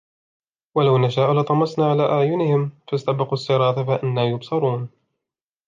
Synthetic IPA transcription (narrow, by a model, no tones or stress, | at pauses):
walawnaʃaːʔlɨt̪ˤɑmɑsˤnaːʕalaːʔaʕjʊnɪhɪmfast̪abɪqsˤːɨɾˤɑːt̪afaʔɪnːaːjʊbsɑɾˤuːn